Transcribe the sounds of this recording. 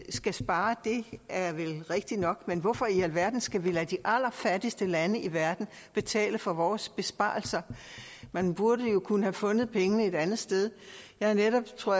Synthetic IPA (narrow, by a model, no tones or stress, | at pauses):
sɡ̥æsb̥ɑ̈ːd̥e̝æɐʋelʁeɡ̥̚d̥inɒ̽ɡ̥menʋɔ̽fɒ̽iælʋæɐd̥n̩sɡ̥æʋilæd̥iʔæl̰ɐfæd̥isd̥əlænəiʋæɐd̥n̩ | b̥e̝t͡sʰɛ̰ːləfɒ̽ʋɒːsb̥e̝sb̥ɑ̰̈ːl̩sɐmænb̥uɐɾəjo̝kʰunəhæfɔ̽nð̞̩ˠpʰeŋənəe̝dænð̩ˠsd̥eð̞ˠjɑ̈ɐneɾɒ̽b̥t͡sʰʁo̝ɐ̰